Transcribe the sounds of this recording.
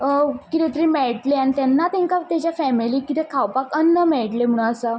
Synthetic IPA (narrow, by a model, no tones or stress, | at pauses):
kit̪ɛ̃t̪əɾĩmeɭʈleañit̪janːat̪ɛ̃ŋkat̪jat͡ɕjafɛmiliːkit̪ɛkʰawpakənːəmɛɭʈlem̤əɽ̃ũəsa